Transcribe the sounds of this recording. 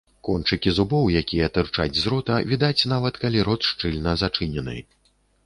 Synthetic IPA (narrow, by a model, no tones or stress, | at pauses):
kɔnt͡ʂɨkʲizubɔwjakʲijɐt̪ɨrt͡ʂa̰d͡zʲzɾɔt̪ɐvʲid̪at͡sʲn̪avɐt̪kalʲiɾɔt̪ʂt͡ʂɨlʲnɐzat͡ʂɨnʲɛnɨ̰